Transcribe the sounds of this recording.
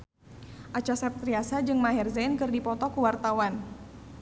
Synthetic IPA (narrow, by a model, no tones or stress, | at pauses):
ʔat͡ʃasap̚t̪ɾiasad͡ʒɨŋmaɦɛrzankɨrdipɔt̪ɔkuwart̪awan